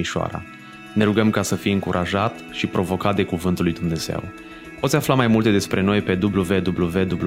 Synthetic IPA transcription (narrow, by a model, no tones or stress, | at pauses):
iʃoa̰ɾa̰ | ne̞ɾuɡəmkasəfijɨŋkuɾʔaʒat̪ʃipɾo̞vo̞kat̪̚d̪e̞kuvɨnt̪ulːujd̪umne̞z̥e̞̰w | pot̪sʲaflamajmult̪e̞d̪e̞spɾe̞no̞jpe̞d̪ubluve̞d̪ubluve̞d̪ublu